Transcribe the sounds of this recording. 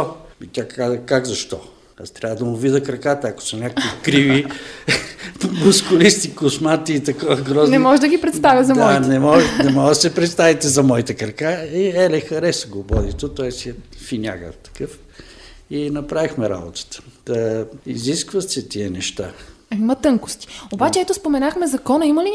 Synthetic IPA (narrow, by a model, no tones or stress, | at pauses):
ɔit̪ʲakazəkaɡzɐʃt̪ɔ | ast̪ɾʲavəd̪ɐmʊvid̪əkɾɐkat̪əɐko̥sɐnʲakikɾivi | mʊskʊlist̪ikʊsmat̪iːt̪ɐkɔvəɡɾɔznɛmɔʒd̪ɐɡʲipɾɛt̪sd̪avʲjəzɐmd̪aɔnɛmɔnɛmɔɡsɛpɾɛt̪st̪avit̪ɛzɐmɔit̪əkɾɐkaiɛlɛxɐɾɛsɡobɔd̪it̪ot̪ɔɛsiɛfinʲa̰ɡə̰t̪ɐ̥kɤf | inɐpɾavixmɛɾa̰bot̪ə̥t̪ə̥ | iziskvɐt̪sɛt̪iənɛʃt̪a̰ɐimɐt̪ɤŋkʊ̥st̪i̥obat͡ʃɛɛt̪ospomɛnaxmɛzɐkɔnɐimɐli